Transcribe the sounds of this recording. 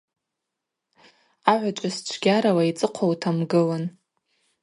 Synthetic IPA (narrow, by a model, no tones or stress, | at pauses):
aʕʷat͡ʃʷʼast͡ʃʷʰɡʲaɾawait͡sʼɨqʷʰowtʰamɡɨlan